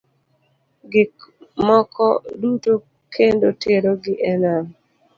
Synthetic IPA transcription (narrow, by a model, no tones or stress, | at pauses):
ɡɪkmɔkʰɔduto | kʰendotʰeɾoɡɪʔɛnaŋ